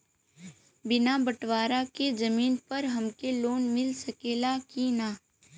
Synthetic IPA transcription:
bɪnabɐʈʋaːɾaked͡ʒɐmiːnpɐɾɦɐmkeloːnmɪlsɐkeːlakinaː

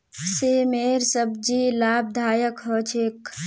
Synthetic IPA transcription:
seːmeːɾsəb̚d͡ʒiːlaːb̚d̪ʱaːjəkɦət͡ʃʰeːk

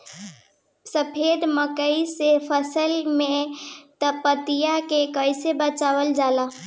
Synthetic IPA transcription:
səpʰed̪məkəisepʰəsəlmẽt̪əpət̪ijakekəɪsebət͡ʃaːʋəld͡ʒaːla

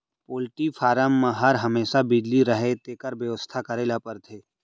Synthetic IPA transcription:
poːlʈifʰaːɾəmːaɦaɾɦɐmeːsabɪd͡ʒ̪liɾəɦet̪eːkəɾbjəʋəst̪ʰakɐɾeːlapəɾt̪ʰeː

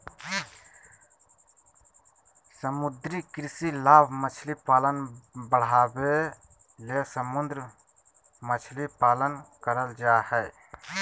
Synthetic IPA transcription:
səmʊd̪ɾikɾɪsilaːbʱmət͡ʃʰlipaːlənbəɽ̤aːbe | lesəmʊnd̪ɾ | mət͡ʃʰlipaːlənkəɾəld͡ʒahɛɪ

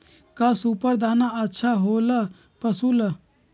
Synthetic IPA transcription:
kasupəɾd̪aːnaətːʃʰaɦoːla | pɐsulɐ

